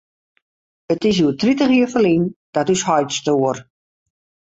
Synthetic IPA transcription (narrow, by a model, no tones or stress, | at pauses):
ətɪs̬juətʰritəχiəfəlind̥ɔtyshɔjtstoər